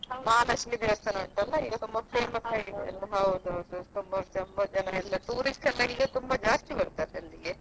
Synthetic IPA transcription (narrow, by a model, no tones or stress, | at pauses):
maːnɐslid̪iʋɐst̪ɐnɐːɳʈ̪ɐlːɐiːɡɐt̪umbɐpɾeːmɐsɐːɡiɛ̰lːɐɦɐʋod̪usot̪umbɐt͡ʃɐmbɐd͡ʒɐnɐɛlːɐt̪uːɾisʈɐnːɐiːɡɐt̪umbɐd͡ʒaːsʈ̪ibɐɽt̪aːɾeɐlːiɡe